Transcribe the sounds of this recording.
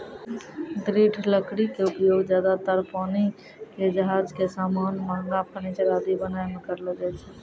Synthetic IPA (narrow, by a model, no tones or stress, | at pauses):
d̪ɾiʈʰləkɽikeupjoɡd͡ʒjad̪at̪əɾpani | ked͡ʒəɦad͡ʒkesamanmaŋɡapənit͡ʃɾad̪ibənaemẽkəɾlɔd͡ʒajt͡ʃʰɛ